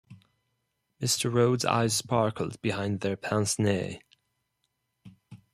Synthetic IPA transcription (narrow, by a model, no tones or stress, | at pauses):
mɪstʰə˞ɹoʊdza̰ɪz̥spɑɹkəl̩ˠd̚bɪhãɪ̃nðə˞pʰæ̃nsnḛ